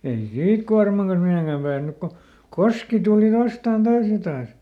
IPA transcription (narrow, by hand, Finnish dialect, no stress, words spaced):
ei siːt kuɑrmɑŋ kɑns miheˑŋkæm pæːsnyk ko koski tuli ʋɑstɑˑn tɑːs jɑ tɑːs